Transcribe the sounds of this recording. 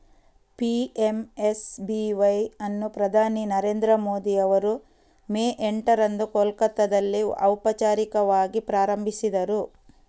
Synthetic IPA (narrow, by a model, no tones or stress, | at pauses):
piemesbiʋɐjɐnːupɾɐd̪ʱaːninɐɾeːnd̪ɾɐmo̞ːd̪iɐʋɐɾu | meːʔeɳʈɐɾɐnd̪ukolkɐt̪ːɐd̪ɐlːiɐwpɐt͡ʃaːɾikɐʋaːɡipɾaːɾɐmbʱisid̪ɐɾu